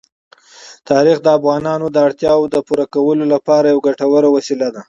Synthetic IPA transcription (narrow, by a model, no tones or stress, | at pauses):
t̪ʰɑɾixd̪əafɣɑnɑnod̪əaɽt̪jɑwod̪əpuɾakawəlolapɑɾajawɡaʈawəɾawasilad̪a